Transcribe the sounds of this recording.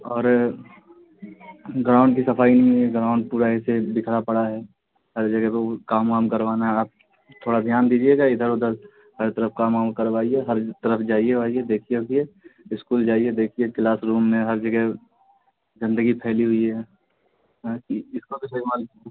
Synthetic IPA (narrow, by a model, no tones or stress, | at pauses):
ɔːɾ | ɡɾaːʊ̃ɳɖkisɐpʰaːinɐɦĩɦɛɡɾaːʊ̃ɳɖ̚puːɾaɪsed̪ɪkʰɽapɐɽaɦɛː | ɦɐɾd͡ʒəɡɛɦekaːmaːmkɐɾʋaːnaɦɛaːp̚ | t̪ʰoːɽad̪ʱjaːnd̪iːd͡ʒieɡaɪd̪ʱəɾʊd̪əl | həɾt̪əɾəfkaːmaːmkəɾʋaːiɦɛɦɐɾt̪əɾəfd͡ʒaːieʋaːied̪eːkʰieokieɪskuːld͡ʒaːied̪eːkʰieklaːsɾuːmːẽɦɐɾd͡ʒəɡɛɦ | zɐ̃nd̪əɡipʰɛːliɦʊiɦɛː | kiɪskot̪osɐimaːl